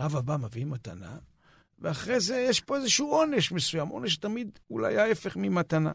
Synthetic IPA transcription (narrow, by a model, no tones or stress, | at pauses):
avabamevimat̪a̰na̰ | veaχʁe̞zejeʃpo̞ezeʃuuo̞ne̞ʃmesujamʔo̞̰neʃ̬tamid̪ula̰jaefe̞χmimat̪ana̰